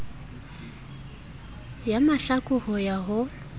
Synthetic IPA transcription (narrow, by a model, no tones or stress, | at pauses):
jamaɬakʼʊhɔjaɦʊ